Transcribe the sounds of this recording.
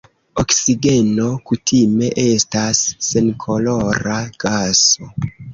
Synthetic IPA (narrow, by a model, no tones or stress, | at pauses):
oksiɡe̞no̞kutʰime̞ʔe̞stasːe̞nkʰo̞lo̞ɾaɡ̥aso̞